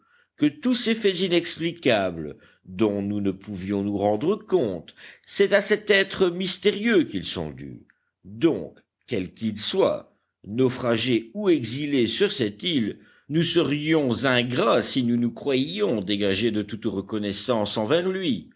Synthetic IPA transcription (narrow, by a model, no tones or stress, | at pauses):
kət̪usefɛzinɛksplikablə | d̪ɔ̃nunəpuvjɔ̃nuʁɑ̃d̪ʁəkɔ̃t̪sɛt̪asɛt̪ɛt̪χəmist̪eʁjøkilsɔ̰̃d̪y̰ | d̪ɔ̰̃k | kɛlkilswa̰ | nofχaʒeueɡzilesyʁsɛt̪il | nusəʁjɔ̃zɛ̃ɡʁasinunukχwaɔ̃d̪eɡaʒed̪ət̪ut̪ʁəkɔnɛsɑ̃sɑ̃vɛʁlɥi